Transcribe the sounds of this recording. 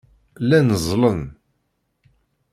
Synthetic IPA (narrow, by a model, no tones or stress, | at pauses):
lænəzˤlən